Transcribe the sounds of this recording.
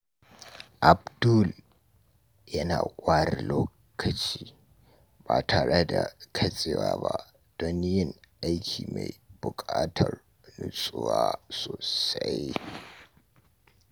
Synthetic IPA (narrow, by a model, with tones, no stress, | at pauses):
ʔa˨b̚du˦l | jɐ˦naː˨kʷʼaː˦ɾɪ˨loː˦ | kʰɐ˨t͡ʃiː˦ | baː˨tʰaː˨ɽɛ˦da˨kʰɐ˦sʼɪ˨waː˦ba˦ | d̥ɔ˦njɪ˦ŋʔa˦jkʲʰiː˨ma˨jbʊ˨kʼaː˦tʰɐ˨r | nʊ˦sʼʊ˦waː˦soː˨sɐ˦j